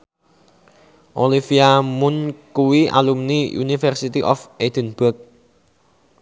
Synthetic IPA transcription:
ʔolifiamʊnkuwiʔa̰lumniṵnifərsit̪iʔɔ̰fed̪̥ənb̥ʊk̚

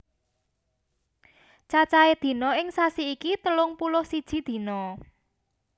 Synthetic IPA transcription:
t͡ʃat͡ʃaed̪̥i̤nɔɪŋsasiikit̪əlʊŋpulʊhsid̥ʒ̥i̤d̪̥i̤nɔ

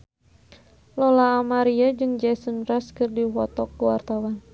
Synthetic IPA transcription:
lɔlaːmaɾiad͡ʒɨŋd͡ʒɛsənraskɨrdiwɔt̪ɔkːəwa̰rt̪awan

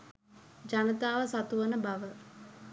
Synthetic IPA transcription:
d͡ʒanət̪aːʋəsat̪uʋənəbaʋə

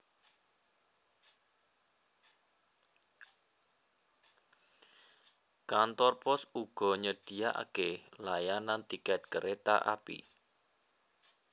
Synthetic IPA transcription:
kant̪ɔrpɔsuɡ̥ɔ̤ɲəd̥i̤aʔa̰kelajanant̪ikɛt̪̚kəɾet̪a̰ʔa̰pḭ

